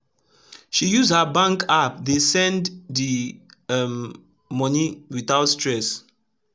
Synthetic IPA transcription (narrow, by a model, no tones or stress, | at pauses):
ʃijuzdhabãŋkap̚desɛ̃nddi | m | mɔniwiθaʊtstɹɛs